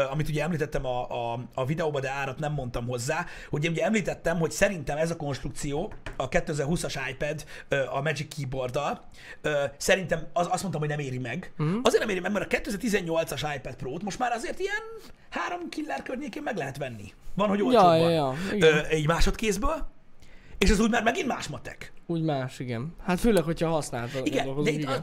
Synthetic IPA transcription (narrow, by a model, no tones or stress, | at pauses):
ɒmit̪uɟɛɛmliːt̪ɛt̪ːɛmɒɒvid̪ɛoːbɒd̪ɛaːɾɒt̪nɛmːo̞nt̪ɒmɦo̞zːaː | hoɟɛeːnuɟɛɛmliːt̪ɛt̪ːɛmho̞csɛɾint̪ɛmɛzɒko̞nʃt̪ɾukt̪sijoːɒkɛt̪ːøɛzɛrɦusɒʃajpɛd̪øːʔɒmɛd͡ʒikːiːbo̞rd̪ɒl | øːsɛɾint̪ɛmɒst̪mont̪ɔmhonɛmeːɾimɛɡɒzeːrnɛmeːɾimɛɡmɛɾɒkɛt̪ːøɛzɛrt̪izɛɲːo̞lt̪sɒʃajpɛt̪̚proːt̪mo̞ʃt̪maːɾɒzeːrt̪ijɛn | haːɾo̞mkilːɛːrkørɲeːkeːmmɛɡlɛɦɛt̪ʋɛnːḭvɒnɦo̞ɟoːljjiɡøɛɟmaːʃo̞t̪keːzbøːl | eːʃɒzuːɟmaːɾrmɛɡinmaːʃmɒt̪ːɛ̰kuːɟmaːʃiɡɛnhat̪føːlɛkhochɒhɒsnaːlt̪iɡɛndɛit̪ː